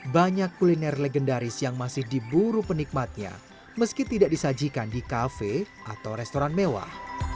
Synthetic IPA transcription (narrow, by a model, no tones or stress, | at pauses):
baɲakːulinɛrleɡɛndaɾɪsjaŋmasɪhdibuɾupənik̚mat̪̚ɲa̰ | məskit̪idaʔ̚disad͡ʒikandikafe | ʔat̪awɾɛst̪oɾanmewa̰h